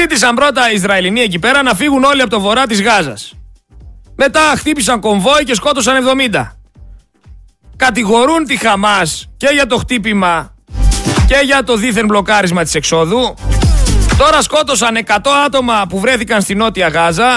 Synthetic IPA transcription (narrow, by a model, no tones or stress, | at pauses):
it̪isɐmbɾo̞t̪ɐizɾɐelinie̞c̬ipe̞ɾɐnɐfiɣuno̞liɐpot̪ovo̞ɾɐt̪̬izɣɐzɐ̰s | me̞t̪ɐxt̪ipisɐŋko̞ɱvo̞ice̞sko̞t̪o̞sɐnevðo̞mind̪ɐ̰ | kɐt̪iɣo̞ɾunt̪ixɐmɐsce̞ʝɐt̪o̞xt̪ipimɐ | ce̞ʝɐt̪o̞ðiθe̞nblo̞kɐɾizmɐt̪i̥se̞kso̞ðu | t̪o̞ɾɐsko̞t̪o̞sɐne̞kɐt̪o̞ɐt̪o̞mɐpuvɾe̞θikɐnst̪ino̞t̪iɐɣɐzɐ